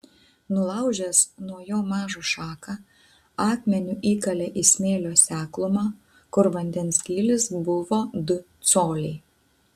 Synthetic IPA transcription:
nʊlˠɐˑʊʒʲɛsnuɔjoːmɑːʒoːʃɑːkɑ | ɑːkmʲɛnʲuːʔiːkɐlʲɛʔɪsʲmʲeːlʲoːsʲæːklˠʊmɑː | kʊɾʋɐnʲd̪ʲɛnsɡʲiːlʲɪsbʊʋoːd̪ʊt̪soːlʲɛɪ

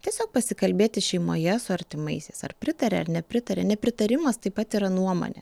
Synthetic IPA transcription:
t̪ʲiɛsʲoːk̚pɐsʲɪkɐlʲbʲeːt̪ʲɪʃʲɛɪmo̰ːjɛsʊɐɾʲt̪ʲɪmɐɪsʲeːsɐ̰rpʲɾʲɪt̪ɐɾʲɛɐɾnʲɛpʲɾʲɪt̪ɐɾʲɛ̰nʲɛpʲɾʲɪt̪ɐɾʲɪmɐst̪ɐɪpːɐt̪iːɾɐnuɔmo̰nʲḛ

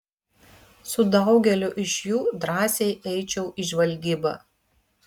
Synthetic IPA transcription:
sʊd̪ɐʊɡʲɛlʲʊʔɪʃʲjuːd̪ɾɑːsʲɛɪʔɛɪt͡ʃʲɛʊʔɪʒʲʋɐlʲɡʲiːbɐ̰

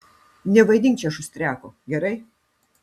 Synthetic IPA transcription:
nʲɛʋɐɪd̪ʲɪŋʲkt͡ʃʲɛɐʃʊsʲt̪ʲɾʲæːkoɡʲɛɾɐɪ

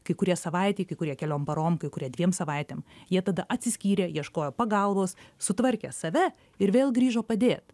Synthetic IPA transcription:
kɐɪkʊɾʲiɛsɐʋɐɪt̪ʲeɪkɐɪkʊɾʲiɛkʲɛlʲoːmpɐɾoːmkɐɪkʊɾʲiɛd̪ʲʋʲiɛmsɐʋɐɪt̪ʲeːmjiɛt̪ɐd̪ɐʔɐt̪ʲsʲɪsʲkʲiːɾʲeːjiɛʃkoːjoːpɐɡɐlˠboːssʊt̪ʋɐɾʲkʲḛːsɐʋʲɛ | ɪɾʋʲeːlˠɡɾʲiːʒoːpɐd̪ʲeːt̪

